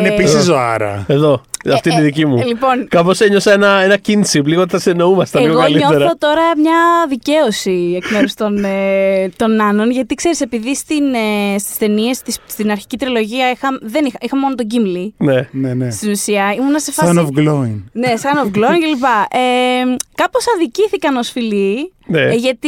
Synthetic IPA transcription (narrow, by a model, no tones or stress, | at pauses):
ineisizoɐ̰ɾɐ̰eðo̞ɐt̪iniðicimulipo̞nkɐpo̞seɲosɐenɐe̞nɐcinsipliɣot̪θɐseno̞umɐst̪ɐiɣoɣkɐliɲt̪e̞ɾɐθot̪o̞ɾɐmɲɐðice̞osiekmeɾust̪o̞net̪o̞nːɐno̞nʝɐt̪ikse̞ɾise̞piðist̪inest̪i̥st̪e̞nie̞st̪isst̪inɐɾçi̥cit̪ɾilo̞ʝiɐixɐmðe̞nixɐixɐmo̞not̪̬o̞ɲɟimlinenenest̪inusiɐimunɐsefɐovɡloinne̞sɐnovɡloincelipɐʔekɐpo̞sɐðiciθikɐno̞sfilineʝɐt̪i